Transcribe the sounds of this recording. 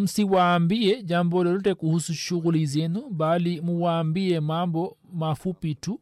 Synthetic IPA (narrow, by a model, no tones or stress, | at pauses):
m̩siwaːmbiɛd͡ʒambɔlɔɾutɛkuhusuʃuɣulizɛnubalimuwaːmbiɛmambɔmafupitu